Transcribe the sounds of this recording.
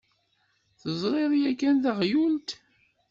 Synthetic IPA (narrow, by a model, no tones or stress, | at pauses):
θəzˤɾeɾjækːænðəʁjult̪